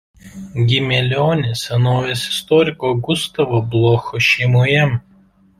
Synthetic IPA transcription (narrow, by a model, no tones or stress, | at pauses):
ɡʲɪmʲɛlʲɔːnʲesʲɛnoːʋʲesɪ̥st̪ɔːɾʲɪkoːɡʊst̪ɐʋoblˠoːxɔʃʲɛɪmoːjɛ